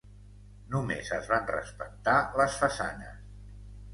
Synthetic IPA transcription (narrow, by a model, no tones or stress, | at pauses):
numḛzəzβanrə̰spək̚t̪aləsfəsa̰nə̰s